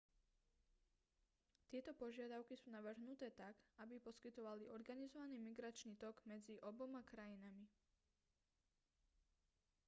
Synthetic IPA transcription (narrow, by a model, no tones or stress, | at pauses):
t̪ɪɛt̪ɔpɔʒɪad̪aʊkisuːnaʋr̩ɦnut̪ɛːt̪aɡabipɔskit̪ɔʋaliʔɔɾɡanizɔʋaniːmiɡɾat͡ʃniːt̪ɔɡmɛd͡ziʔɔbɔmakɾajinami